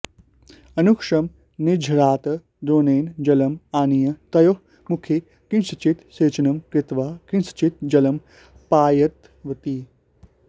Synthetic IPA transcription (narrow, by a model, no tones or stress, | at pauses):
ɐnukʂɐm | nid͡ʒʱɾaːt̪ɐ | d̪oːneːnd͡ʒɐlɐmaːnijɐt̪ɐjo | mukʰe | kinsɐt͡ʃit̪seːt͡ʃɐnɐmkɾɪt̪ʋaːkĩnsɐ̥t͡ʃit̪̚d͡ʒɐlɐm | paːjɐt̪ | ʋɐt̪i